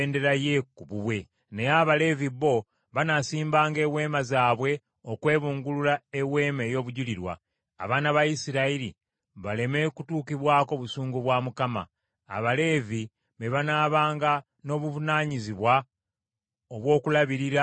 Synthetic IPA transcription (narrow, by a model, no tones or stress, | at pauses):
nde̞ɾaje̞kuβuβwe̞ | nejaβale̞viβo̞ | βanasiːmbaːŋɡe̞ːwe̞ːmazaːβwe̞ | okwe̞ːβuːŋɡululaewe̞ːme̞ːjo̞ːβuɟuliɾwa̰ː | βaːnaβajisiɾaiɾi | βale̞me̞kutuːkiβwaːko̞βusuːŋɡuβwaːmukama̰ː | βale̞vi | βeβanaːβaːŋɡa | no̞ːβuvunaːɲiziβwa | oβwo̞ːkulaβiɾiɾa